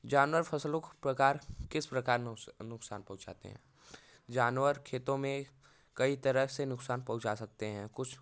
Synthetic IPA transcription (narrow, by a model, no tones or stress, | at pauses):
d͡ʒaːnwəɾpʰɐslõpɾɐkaːɾkɪspɾɐkaːɾnʊksaːnpɐ̃ɦʊ̃t͡ʃa̰ːt̪ḛɦɛ̰̃ː | d͡ʒaːnʋəɾkʰeːt̪õmẽ | kɐit̪ɐɾəɦsenʊksaːnpɐɦʊ̃t͡ʃasɐk̚t̪eɦɛ̃ːkʊt͡ʃʰ